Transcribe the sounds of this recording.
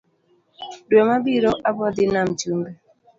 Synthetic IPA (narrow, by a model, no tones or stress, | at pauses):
dwɔmabiɾoʔabɔd̪ɪnamt͡ʃumbɛ